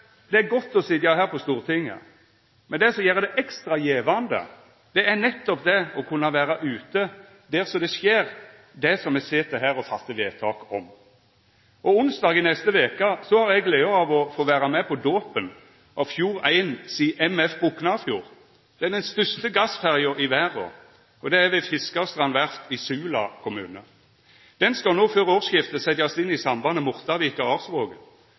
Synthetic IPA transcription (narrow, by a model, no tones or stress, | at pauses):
d̪̥ɛæɾɡɔt̪ːɔsɪd̪jɑɦæːɾpɔst̪uːʁət̪ʰɪŋːə̰ | mɛnd̪ɛsɔjeːɾd̪ɛʔɛkst̪ɾɑjeːʋɑnd̪ə̰ | d̪̥ɛæɾnɛt̪ːɔp̚d̪ɛɔkʰʉnːɑʋæːɾɑʔʉːt̪ə | d̪ɛʁsɔd̪ɛsjeːɾ | d̪ɛsɔmɛsɪt̪ʰɛɦæːɾɔfɑt̪ːəʋeːt̪ʰɑːkɔm | ɔʊnsd̪ɑːɡɪnɛst̪əʋeːkəsɔhɑɾɛɡleːəɑʋɔfoːʋæːʁɑmɛpʰɔd̪oːpən | ʔɑʋfjuːʁæɪnsiːʔɛmɛfbʊknɑfjuːʁ | d̪̥ɛɛd̪ɛnst̪œst̪əɡɑsfæʁɪʊɾɪʋæːʁo̰ː | ɔd̪ɛæʋɛfɪskɑst̪ʁɑnʋæʁt̪ɪsʉːlɑ̰kʰʊmʉːnə | d̪̥ɛnskɑlnoːføːʁoːsjɪft̪əsɛt̪jɑsɪnːɪsɑmbɑnəmʊʁt̪ɑʋiːkɑʁɑːʁsʋoːɡən